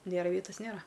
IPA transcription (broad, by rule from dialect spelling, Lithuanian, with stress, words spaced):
ˈnʲeːrɐ ˈʋʲiɛtɐs ˈnʲeːrɐ